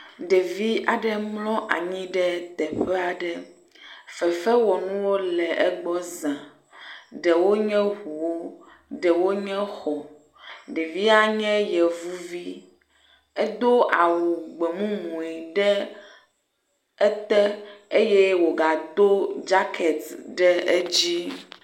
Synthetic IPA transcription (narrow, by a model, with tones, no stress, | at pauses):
ɖɛ˨vi˦a˨ɖɛ˦mlɔ̃˦ʔa̰˨ɲĩ˦ɖɛ˦t̪ɛ˨ɸɛ˦a˨ɖɛ˦ | fɛ˨fɛ˦wɔ˨nũ˦wo˦lɛ˨ʔɛ˦ɡ͡bɔ˦zã˨ | ɖɛ˨wo˦ɲɛ̃˦ɦu˨wo˦ | ɖɛ˨wo˦ɲɛ̃˦xɔ˨ | ɖɛ˨vi˦a˦ɲɛ̃˦jɛ˨vu˦vi˦ | ɛ˦d̪o˦a˨wu˨ɡ͡be˨mũ˦mũ˨ɛ˨ɖɛ˦ | ɛ˦t̪ɛ˦e˦jɛ˦wo˨ɡa˨d̪o˦d͡ʒa˦kʰɛ˨t̪ɖɛ˦e˦d͡ʑi˦